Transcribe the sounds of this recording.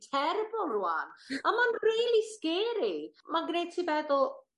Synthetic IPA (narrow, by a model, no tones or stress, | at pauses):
tʰɛɾbʊlˠrua̰namanriːlˠiskeːɾimaɡnejtʰivɛdɔ